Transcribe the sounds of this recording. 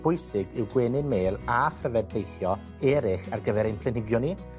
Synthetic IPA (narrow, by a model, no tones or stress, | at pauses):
b̥ʊjsɪɡɪwɡweːnɪnmeːlˠafrəvɛdbejθjɔ | ɛɾɪχarɡəvɛɾejnpʰlˠɪnɪɡjɔni